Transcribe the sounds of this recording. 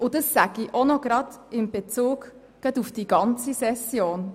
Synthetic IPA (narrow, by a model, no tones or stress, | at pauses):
ʊdəsːæɡ̥iʔonɔɡɾɑdɪmb̥et͡suːɡ | ɡ̥ɑdufd̥iːɡ̥ɑnt͡sisɛsjoːn